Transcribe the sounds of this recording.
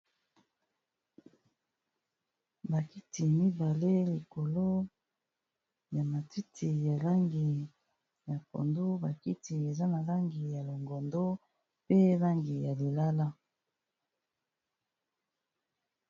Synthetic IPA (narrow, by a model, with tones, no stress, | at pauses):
ba˨ki˦tʰi˨mi˦ba˨le˦li˨ko˨lo˦ | ja˨ma˨ti˦tʰi˨ja˨la˦ŋɡi˨ | ja˨po̰˨ndo˦ba˨ki˦ti˨e˨za˦na˨la˦ŋɡi˨ja˨lo˨ŋɡo˨ndo˦ | pe˦la˦ŋɡi˨ja˨li˨la˦la˦